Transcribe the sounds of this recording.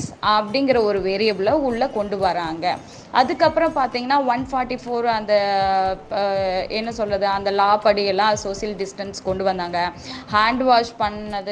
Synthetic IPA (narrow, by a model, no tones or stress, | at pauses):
sɐpɐɽɪŋɡɪɾɐɔɾɯʋeːɾɪɐblɐʊɭːɐkɔɳɖɯʋɐɾaːŋɡɐ | ɐðɯkːɐpːɯɾɐ̃mpaːɾt̪iːŋɡɐnːaːʋɐnfaːɾʈifoːɾɐnd̪ɐ | ɛnːɐsɔlrɐðɯɐnd̪ɐlaːpɐɽɪjɛlːãːsoːsɐlɖɪsʈɐnskɔɳɖɯʋɐnd̪aːŋɡɐhaːɳɖʋaːʂpɐɳːɐðɯ